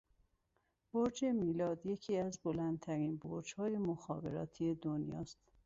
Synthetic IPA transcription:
b̥oɾd͡ʒe̞miːlɒːd̪je̞cʰiːæzbo̞lænd̪̚t̪ʰæɾiːnboɾd͡ʒhɒːje̞moxɒ̰ːbe̞̰ɾɒ̰ːt̪ʰie̞d̪onjɒ̰ːst̪

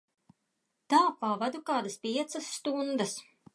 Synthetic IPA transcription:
t̪aːpavad̪ukaːd̪ɐspʲiɛt̪sɐsːt̪und̪ɐs

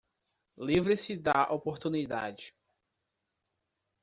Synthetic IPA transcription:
livɾɪsɪd̪aʔopoɾt̪unid̪a̰d͡ʒɪ

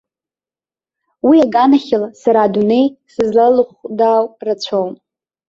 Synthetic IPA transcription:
wiaɡanaχʲɪlasaɾadune̞jsɨzlalɨχdawrat͡ɕʷʰon

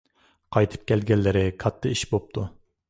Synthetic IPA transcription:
qʰɑjt̪ʰɨ̥p̚kʲɛlɡʲɛlːɪɾɪkʰɑt̪ʰːɨiʃbop̚t̪ʰu

